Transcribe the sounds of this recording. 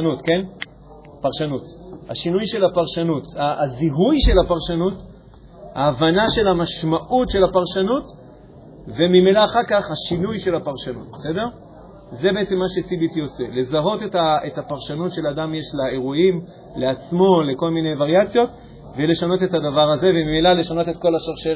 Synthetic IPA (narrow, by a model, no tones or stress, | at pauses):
nutke̞n | paʁʃanuta̰ʃinujʃe̞lapaʁʃanutaziɦujʃe̞lapaʁʃanut | ha̰ːvanaʃe̞lamaʃmaʔutʃe̞lapaʁʃanut | ve̞mimelaːχaʁkaχhaʃinujʃe̞lhapaʁʃanut̚bese̞de̞ʁ | ze̞beet͡se̞mːaʃesibit̪iot͡se̞le̞zaɦo̞tetaʔetapaʁʃanutʃe̞ladamjeʃlae̞ʁuim | le̞at͡smo̞le̞ko̞lminejvaʁjat͡sjo̞t | vele̞ʃano̞te̞thadavaʁaze̞vemimelale̞ʃano̞tet̚ko̞laʃaʁʃe